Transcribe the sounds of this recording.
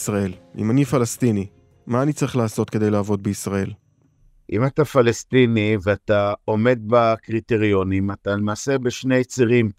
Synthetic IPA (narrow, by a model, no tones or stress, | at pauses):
sʁae̞lḭmanifalast̪ini | maːnit͡saʁiχlaːso̞t̪kede̞jlaːvo̞d̪̚beisʁae̞l | ʔimatafalestiniveat̪aome̞d̪̚bakʁit̪eʁio̞nimatalemaːse̞beʃne̞jt͡siʁim